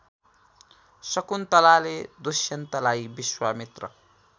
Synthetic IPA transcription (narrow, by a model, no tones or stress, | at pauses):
sʌkunt̪ʌlaled̪usjʌnt̪ʌlajbiswamit̪rʌ̰